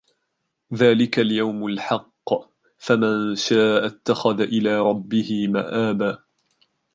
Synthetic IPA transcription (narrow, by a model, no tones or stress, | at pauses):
ðaːlɪkaljawmalħɑqː | famanʃaːʔat̪ːaxaðaʔɪlaːɾˤɑbːɪhɪmaʔaːbaː